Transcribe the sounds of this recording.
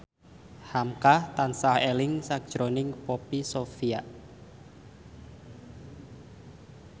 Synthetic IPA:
hamkaht̪ansahelɪŋsak̚d̥ʒ̥ɾonɪŋpopisofiaʔ

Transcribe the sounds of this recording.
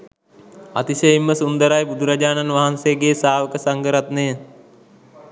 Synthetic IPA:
at̪isəjimːəsund̪əɾajbud̪ʱuɾad͡ʒaːnanʋaɦanseɡeːsaːʋəkəsaŋɡəɾat̪neː

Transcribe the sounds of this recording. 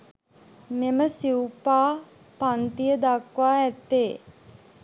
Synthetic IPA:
meməsiwpaː | pant̪ijəd̪akʋaːɛt̪ːeː

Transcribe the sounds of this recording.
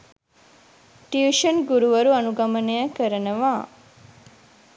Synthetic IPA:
ʈiuʃənɡuɾuʋɐɾuɐnuɡɐmənəjakəɾənəʋaː

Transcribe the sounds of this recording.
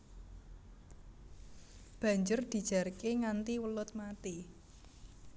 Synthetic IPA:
b̥ä̤ɲd͡ʒʊrd̪̥i̤d̥ʒ̥a̤rkeŋant̪iwəlʊt̪̚mat̪i

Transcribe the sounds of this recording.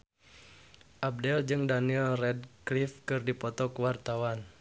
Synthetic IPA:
ʔab̚dɛld͡ʒɨŋdaniɛlrɛd̚klifkɨrdipɔt̪ɔkəwart̪awan

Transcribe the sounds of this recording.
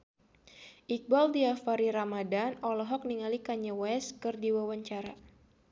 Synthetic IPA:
ʔik̚baldiafaɾiɾamadanɔlɔɦɔk̚niŋalikaɲawɛskɨrdiwawaɲt͡ʃaɾa

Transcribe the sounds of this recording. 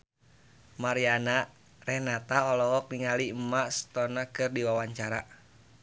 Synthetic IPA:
maɾiana | rɛhnat̪aɔlɔɦɔk̚niŋalimaʔsə̥t̪ɔnakɨrdiwawaɲt͡ʃaɾa

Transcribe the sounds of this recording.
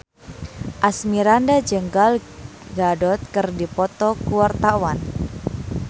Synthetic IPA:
ʔasmiɾandad͡ʒəŋɡalɡadɔt̪̚kərdipɔt̪ɔkuwart̪awan

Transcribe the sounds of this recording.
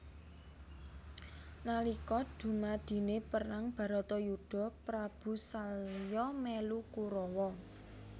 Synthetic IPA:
nalikɔd̪̥ṳmad̪̥i̤nepəraŋb̥a̤ɾɔt̪ɔjuɖ̥ɔ̤pɾab̥ṳsaljɔmɛlukuɾɔwɔ

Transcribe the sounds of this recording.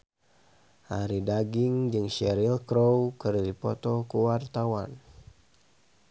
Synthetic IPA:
ʔaɾidaɡiŋd͡ʒɨŋʃɛɾilkɾowkɨrdipɔt̪ɔkuwart̪awa̰n

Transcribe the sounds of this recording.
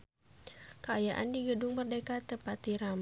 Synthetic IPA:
kəajaʔa̰ndiɡədʊŋbərdekat̪əpat̪iɾam

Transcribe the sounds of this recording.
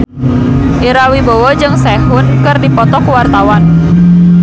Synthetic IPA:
ʔiɾawibowɔd͡ʒɨŋsɛhʊnkɨrdipɔt̪ɔkuwart̪awan

